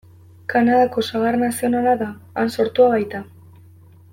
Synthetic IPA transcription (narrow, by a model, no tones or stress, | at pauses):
kanaðako̞saɣarnasio̞nalaðaːnso̞ɾt̪uaβajt̪a